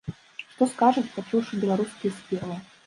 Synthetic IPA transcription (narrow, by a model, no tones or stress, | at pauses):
ʂt̪oskaʐɨt̪ʲpat͡ʃuwʂɨbʲɪlˠaɾuskʲɪjəspʲermʲɨ